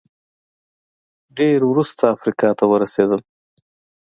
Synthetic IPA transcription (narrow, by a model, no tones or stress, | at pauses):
ɖeɾwɾust̪ʰaːfɾikɑt̪awəɾased̪əl